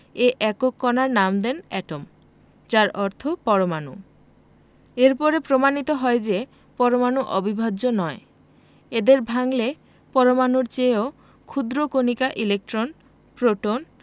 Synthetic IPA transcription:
eʔɛkokːɔnaɾnamd̪enɛ̰ʈom | d͡ʑaɾɔɾt̪ʰopɔɾomanu | eɾpɔɾepɾomanit̪oɦɔed͡ʑe | pɔɾomanuʔɔ̰bibʱad̪d͡ʑonɔe | ed̪eɾbʱaŋle | pɔɾomanuɾt͡ɕeo | kʰud̪ɾokonikaʔilek̚ʈɾon | pɾoʈon

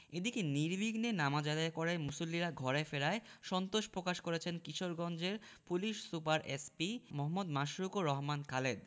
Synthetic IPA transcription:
ed̪ikeniɾbʱiɡnenamad͡ʑad̪aekɔɾaemusolːiɾaɡʱɔɾefeɾaeʃɔnt̪oʃpɾokaʃkoɾet͡ɕʰenkiʃoɾɡɔnd͡ʑeɾ | puliʃsupaɾespimɔɦmːod̪maʃɾukoɾɔɦmankaled̪

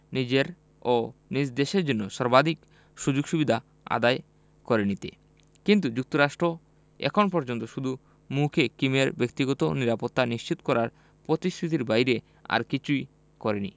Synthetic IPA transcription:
nid͡ʑeɾ | onid͡ʑd̪eʃeɾd͡ʑonːoʃɔɾbad̪ʱik | ʃud͡ʑoɡʃubid̪ʱa | a̰d̪ae | kɔɾenit̪e | kint̪ud͡ʑuk̚t̪oɾaʃʈɾo | ɛ̰kʰonpɔɾd͡ʑont̪oʃud̪ʱu | mukʰekimeɾbek̚t̪iɡɔt̪oniɾapot̪ːaniʃt͡ɕit̪o̥kɔɾaɾ | pɾot̪isʈɾit̪̬iɾbajɾe | a̰ɾkit͡ɕʰuj | kɔɾenḭ

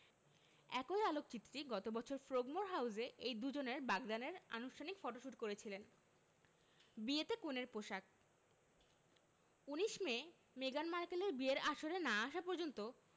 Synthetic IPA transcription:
ɛkojalok̚t͡ɕit̪ːɾiɡɔt̪obɔt͡ɕʰoɾfɾoɡmoɾɦawzeʔejd̪ud͡ʑoneɾbaɡd̪aneɾa̰nuʃʈʰanikfɔʈoʃuʈkoɾet͡ɕʰilen | biet̪ekoneɾpoʃak̚ | uniʃme | meɡanmaɾkeleɾbieɾaʃoɾenaaʃapoɾd͡ʑont̪o

